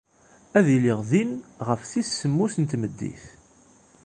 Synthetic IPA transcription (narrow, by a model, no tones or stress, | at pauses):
æðiliʁðinʁəfθissːəmːusənt̪məd̪ːḭθ